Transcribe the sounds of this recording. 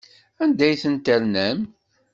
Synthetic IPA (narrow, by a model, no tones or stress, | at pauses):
ænd̪æjθənt̪æɾnæm